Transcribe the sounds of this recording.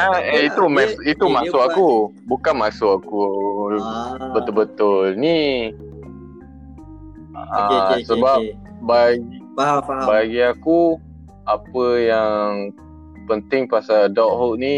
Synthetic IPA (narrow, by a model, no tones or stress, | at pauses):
aeit̪umait̪umasʊʔakubukanmasʊʔaku | bət̪ʊlbət̪ʊlni | asəbap̚ | baɡi | baɡiaku | apəjaŋ | pənt̪ɪŋpasadɔʔ̚hoʔni